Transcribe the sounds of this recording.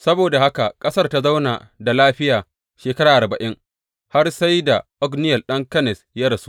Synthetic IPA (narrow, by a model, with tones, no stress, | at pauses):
sɐ˦boː˨da˨ha˦ka˨kʼɐ˦sɐ˦rta˦za˦wnaː˨da˨laː˦ɸɪ˦jaː˨ | ʃeː˨kɐ˦ɾaː˨ʔa˨bɐ˨ʔɪ˦ŋ | ha˦rsa˦jda˨ʔɔ˦ɡnɪ˦jɐ˨lɗɐ˦ŋkɐ˦nɛ˨sja˦ɽɐ˨su̥˦